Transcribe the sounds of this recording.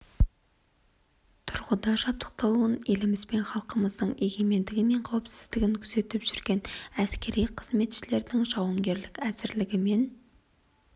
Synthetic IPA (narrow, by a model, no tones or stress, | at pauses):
t̪ʰʊɾʁəd̪ɑʒɑp̚t̪ə̥q̚t̪ɑlˠuəne̞lɪmɪzbe̞nχɑlˠqəməzd̪əɴe̞ɡʲe̞me̞nd̪ɪɡʲɪme̞ɴqʰɑwəpsɪ̥zd̪ɪɡʲɪŋkʲʰʏze̞t̪ɪpʒ̥ʏɾɡʲe̞næskʲe̞ɾijqʰəz̥me̞t̪ʃɪle̞ɾd̪ɪŋʒɑwəɴɡʲe̞ɾlɪkʲæzɪɾlɪɡʲɪme̞n